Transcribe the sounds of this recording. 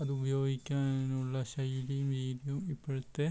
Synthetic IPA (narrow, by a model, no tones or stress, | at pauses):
ɐðɨubɐjoːɡikʲːaːenuɭːɐɕɐjːulɐjumʋiːdijɐmipːɐɻɐt̪ːe